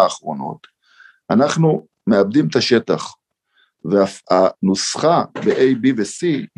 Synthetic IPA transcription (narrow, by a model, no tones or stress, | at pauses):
aːχʁo̞no̞̰t̪ | anaχnu | me̞abd̪imt̪aʃe̞taχ | veaanusχabeʔejbivesi